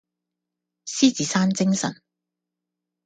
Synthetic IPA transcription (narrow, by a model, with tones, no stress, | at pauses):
siː˥t͡siː˨saː˥nt͡sɪ˥ŋsɐ̰˨˩n